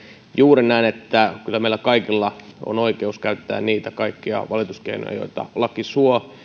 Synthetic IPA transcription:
juːɾenæːnet̪ːækylːæmeilækɑikilːɑo̰noikeuskæytt̪ːæ̰ːnniːt̪ækɑikːiɑ̰ʋɑlit̪uskḛino̰jɑ̰jo̰it̪ɑ̰lɑkisuo

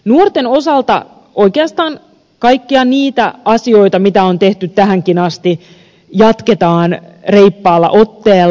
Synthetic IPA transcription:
nuort̪eno̞sɑlt̪ɑ̰ | ojkeɑst̪ɑːn | kɑjkːiɑniːt̪æʔɑsio̞jt̪ɑmit̪æo̞nt̪e̞ht̪yt̪t̪ːæɦæŋkinɑst̪i | jɑt̪ket̪ɑːn | reipːɑːlːɑ̰ʔo̞t̪ːeːl

